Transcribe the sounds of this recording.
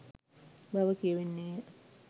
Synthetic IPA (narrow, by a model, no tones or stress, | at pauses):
baʋəkiəʋenːejə